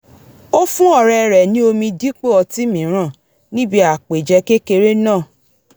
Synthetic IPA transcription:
o˦fũ˦ɔ˦˨ɾɛ˧ɾɛ˨nĩ˦o˧mĩ˧di˦k͡pe˦˨ɔ˧ti˦mĩ˨˦ɾ̃ã˦˨ | nĩ˦bi˧˦a˨k͡pe˨d͡ʒɛ˧˦ke˦ke˧ɾe˦nãː˦˨

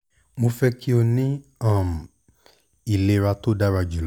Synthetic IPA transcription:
mo˧fɛ˦kʰi˦o˧nĩ˦ã˦˨m˨ | i˨le˨˧ɾa˧to˦da˦ɾa˧d͡ʒu˨l

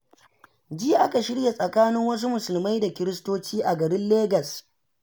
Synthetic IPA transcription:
d͡ʒi˦ʔa˦ka˨ʃɪ˦ɽja˨sʼɐ˨kaː˦nɪ˦ŋwɐ˦s̬u˦mʊ˨sʊ˨lma˦jda˨kʲɪ˦ɾɪ˦stoː˦t͡ʃiː˦ʔa˨ɡɐ˨ɾɪ˦nleː˦ɡɐ˨s

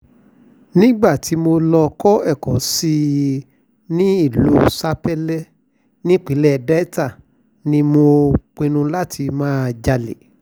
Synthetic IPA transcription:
nĩ˦ɡ͡ba˦˨ti˨˦mo˧lɔ˧kɔ˦ɛ˦˨kɔ˨˦si˦˧ | nĩ˦i˦˨lu˨˦sa˦pɛ˦lɛ˦ | nĩ˦k͡pi˨˦lɛ˦˨dɛ˦ɛ˦ta˦˨ | nĩ˦mo˧k͡pĩ˧nũ˧la˦tʰi˧mãː˦˧d͡ʒa˧lḛ˨

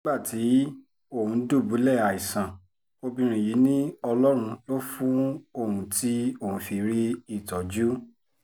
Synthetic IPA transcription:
nĩ˦ɡ͡ba˦˨ti˨˦ | o˦˨hũ˧˦du˦˨bu˨˦lɛ˦˨a˨i˨sã˨ | o˧bĩ˧ɾ̃ĩ˧˨ji˨˦nĩ˦ɔ˧lɔ˦ɾ̃ũ˧lo˦fũ˦o˦˨hũ˧ti˦o˦˨hũ˧fi˧ɾi˦i˦˨tɔ˨d͡ʒu˦

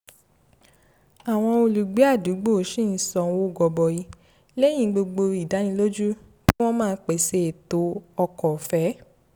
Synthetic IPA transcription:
a˨w̃ɔ̃˧o˧lu˨ɡ͡be˨˦a˦˨du˨˦ɡ͡bo˦˨˦ʃĩ˦˨n̩˨˦sɔ̃˧˨˦wo˦˨ɡɔ˧bɔ˨ji˧ | lɛ̃˦ĩ˦˧˦ɡ͡bo˧ɡ͡bo˧i˨da˨˦nĩ˧˦lo˦d͡ʒu˦ | tĩ˦w̃ɔ̃˦mãː˦˧˦k͡pe˨se˧e˨to˨˦ɔ˧kɔ˨fɛ˨˦

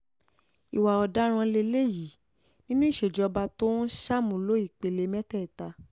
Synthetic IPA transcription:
i˨wa˨ɔ˨da˨˦ɾ̃ã˧le˧le˦˨ji˨˦ | nĩ˦nũ˦i˦˨ʃe˨d͡ʒɔ˧ba˧to˦ʃa˦˨mũ˨lo˦i˦˨k͡pe˨le˧˦mɛ̃˦tɛ˦˨ta˧

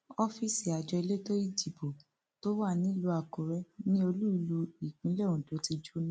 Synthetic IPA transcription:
ɔ˦fi˦si˨a˨d͡ʒɔ˧i˧le˦to˦i˦˨di˨bo˨ | to˦wa˦˨nĩ˨˦lu˧a˨ko˨ɾɛ˦nĩ˦o˧lu˦i˨˧˨lu˧i˨k͡pĩ˨˦lɛ˦˨ũ˨to˨˦ti˧d͡ʒu˦nĩ˦

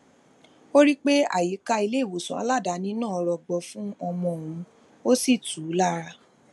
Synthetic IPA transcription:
o˦ɾi˦k͡pe˦a̰˦˨ji˨˦ka˧i˧le˦i˦˨wo˨sũ˨a̰˧˦la˦˨da˨˦nĩ˨˦nãː˦˨ɔ˧ɾɔ˨ɡ͡bɔ˧fũ˦ɔ˧mɔ̃˧õ˨ũ˧ | o˦si˦˨tu˨˦la˦˨ɾa˧

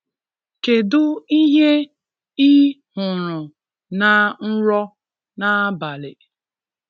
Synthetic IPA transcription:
ke˨dʊ˦i˦ɦe˦ | i˦hʊ˨ɾʊ˨ | na˨n̩˦ɾɔ˦ | na˨˦ba˨lɪ̰˨

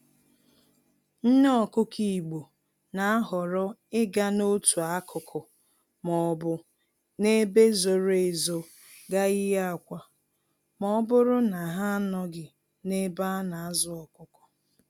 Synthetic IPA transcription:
n̩˦n˦ɔ˨kʊ˦kʰi˨i˨ɡ͡bo˨ | na˨a˦ɦɔ˨ɾʊ˦ɪ˦ɡa˦no˦tu˨a˦kʰʊ˨kʰʊ˨ | mɔ˨bʊ˨ | ne˦be˦zo˨ɾe˨zo˨ | ɡa˦ɪ˦ja˦a˨kʷa˨ | mɔ˨˦bʊ˦ɾʊ˦na˨ɦa˦a˦nɔ˦ɡɪ˨ | ne˦ba˦na˨a˦zʊ˦ɔ˨kʊ˦kʊ˨

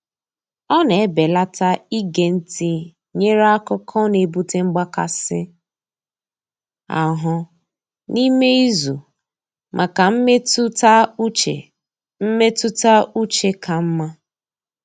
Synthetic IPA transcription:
ɔ˦ne˨e˦be˨la˦ta˦i˦ɡe˨n̩˦ti˨ | ɲe˦ɾa˦kʊ˦kʰɔ˦ne˨bu˦te˦ŋ͡m̩˦ɡ͡ba˦ka̰˨sɪ̰˦ | a̰˨ɦʊ˦ | ni˦me˦i˦zu˨ | mʔa˨ka˨m̩˦e˦e˨ | m̩˦me˦tʊ˦ta˦u˦t͡ʃe˦kʰa˨m̩˦ma˦

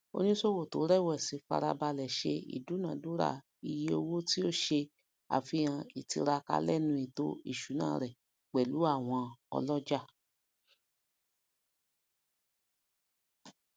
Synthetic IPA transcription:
o̰˦nĩ˦so˦˨wo˦˨to˨˦ɾɛ˦˨wɛ˦˨si˨˧˦fa̰˧ɾa˧ba˧lɛ˨ʃe˧ḭ˨du˨˦nã˨˦du˦ɾa̰˦˨ | i˧je˦˧o˧wo˦ti˦o˦ʃe˧ | a̰˨fĩ˧ã˧i˨ti˧ɾa˧ka̰˧˦lɛ˦˨nũ˧i˨to̰˦ḭ˦˨ʃu˨˦nã̰ː˦˨ɾɛ˨ | k͡pɛ˨lu˨˦a˦˨w̃ɔ̃˧ɔ̰˧lɔ˦d͡ʒa˦˨

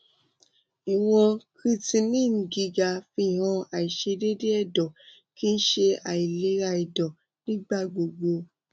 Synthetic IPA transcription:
i˨w̃ɔ̃˧kɾi˧tĩ˧nĩ˦˨n̩˨ɡi˧ɡa˧fi˧˦˨ɦɔ̃˧a˨i˨ʃe˧de˦de˦ɛ˦˨dɔ˨ | ki˦n̩˦ʃe˧a˨i˨le˨˦ɾa˧i˨dɔ˨ | nĩ˦ɡ͡ba˦˨ɡ͡bo˨ɡ͡bo˧

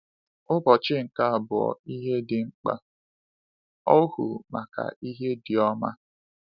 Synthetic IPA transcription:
ʊ˦bɔ˨t͡ʃɪ˦ŋ̩˨ka˦a˨bʊ˨ɔ̰˨i˦ɦe˦dɪ˨ŋ͡m̩˦k͡pa̰˦ | ɔ˦hṵ˨ma˨ka̰˨i˦ɦe˦dɪ˨ɔ˦ma˦

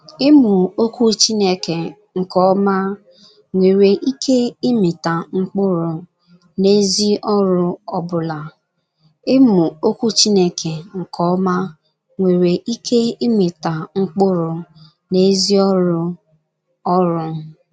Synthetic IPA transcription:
ɪ˦mʊ˨o˦ku˦t͡ʃi˦ne˦ke˨ | ŋ̩˨kɔ˦ma˦ | ŋʷe˨ɾe˨ʔi˦kʰe˦ɪ˦mɪ˨ta˨ŋ͡m̩˦k͡pʊ˦ɾʊ˨ | ne˦zi˦ʔɔ˦ɾʊ˦ɔ˦bʊ˨la˨ | ɪ˦mʊ˨o˦ku˦t͡ʃi˦ne˦kʰe˨ŋ̩˨kɔ˦ɔ˦ma˦ | ŋʷe˨ɾe˨ʔi˦kʰe˦ɪ˦mɪ˨ta˨ŋ͡m̩˦k͡pʊ˦ɾʊ˨ | ne˦zi˦ɔ˦ɾʊ˦ | ɔ˦ɾʊ˦

